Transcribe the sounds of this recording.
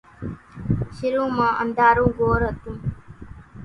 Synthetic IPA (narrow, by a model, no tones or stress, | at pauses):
ʃɪɾũːmãːʔənd̪aːɾũːɡoːɾɦət̪ũː